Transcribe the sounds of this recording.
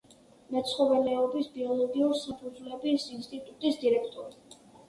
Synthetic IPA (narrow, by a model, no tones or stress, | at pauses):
mɛt̪sʰχɔvɛlɛɔbisbiɔlˠɔɡiuɾsapʰud̪zvlɛbisinst̪ʼit̪ʼut̪ʼisd̪iɾɛkʰt̪ʼɔɾi